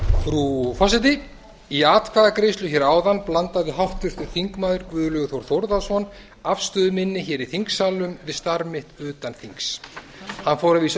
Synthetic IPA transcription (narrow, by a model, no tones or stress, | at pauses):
fɾufasɪt̪̬ɪ | iaːt̪kʰvaːðakɾejst̪lʏçɛɾaːwðanplant̪aðvɪɦawht̪ʏɾ̥t̪ʏɾ̥θiŋkmaːðʏɾkvʏːðʏlœɣʏθowɾ̥θowɾðasvɔn | afst̪œːðʏmɪnːɪçɛːɾiθiŋksaːlʏmvɪðst̪aɾmɪht̪ʏːt̪anθiŋks | hanːfowɾaviːs